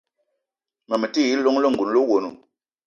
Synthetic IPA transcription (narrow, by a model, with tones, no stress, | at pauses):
ma˨me˨ti˦˨ji˦lɔ˦ŋ˦lɔ˦˨ŋ̩˨ɡu˨n˦lo˦wo˨nṵ˨